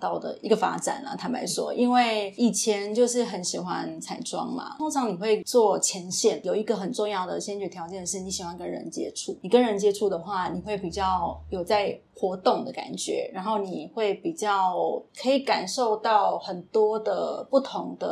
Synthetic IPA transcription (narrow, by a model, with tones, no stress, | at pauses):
t̪ɑ˥˩ʊd̪ə̰˩i˧˥ɡə˨fa̰˥ʈ͡ʂa̰˨˩nlɐ̰˨˩t̪ʰa˧˥npa̰˧˥ɪʂwɔ̰˦ʔi˥nwe˥˩ɪi˨˩t͡ɕʰjɛ˧˦˥nt͡ɕjo˥˧ʊʂɻ̩˥˩xə˧˥nɕi˨˩xwa̰˦nt͡sʰa˨˩ɪʈ͡ʂwɑ̰˦˥ŋma̰˨t̪ʰo˥ŋʈ͡ʂʰɑ˧˥ŋni˨˩xwe˥˩ɪt͡swɔ˥˨˩t͡ɕʰjɛ˧˥nɕjɛ˥˩njo˨˩ʊi˧˥ɡə˨xə˨˩nʈ͡ʂʊ˥˧ŋjɑ˥˩ʊd̪ə˩ɕɛ˥nt͡ɕy˨˩t̪ʰjɑ˧˥t͡ɕjɛ˥˧nʂɻ̩˥˩ni˧˥ɕi˨˩xwa˦nkə˦˥nɻə̰˧˦nt͡ɕjɛ̰˦˥ʈ͡ʂʰu˥˩ni˨˩kə˦˥nɻə˧˥nt͡ɕjɛ˥ʈ͡ʂʰu˥˩d̪ə˩xwa˥˩ni˨˩xwe˥˩ɪpi˨˩t͡ɕjɑ˥˩ʊjo˨˩ʊt͡sa˥˩ɪxwɔ˧˥t̪ʊ˥˩ŋd̪ə˩ka̰˨˩nt͡ɕɥɛ̰˧˥ɻa˧˥nxo˥˩ʊni˨˩xwe˥˩ɪpi˨˩t͡ɕjɑ˥˩ʊkʰɤ˧˥i˧˩ka˨˩nʂo˥˧ʊt̪ɑ˥˩ʊxə˨˩nt̪wɔ˥d̪ə˨pu˥˩t̪ʰʊ˧˥ŋd̪ə̰˧